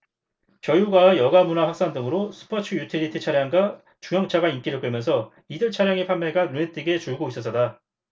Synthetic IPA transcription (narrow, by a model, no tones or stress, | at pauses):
kjʌjuɡaejʌɡamunaɸak̚s͈aŋdɯŋɯɾosʰɯ̥pʰat͡ɕʰɯjutʰiɾitʰɯt͡ɕʰaɾjaŋɡa | t͡ɕuŋjʌŋt͡ɕʰaɡaink͈iɾɯɭk͈ɯɭmjʌnsʰʌ | idɯɭt͡ɕʰaɾjaŋepʰamme̞ɡanuet͈ʰeɡe̞t͡ɕuɭɡois͈ʌs͈ʌt͈a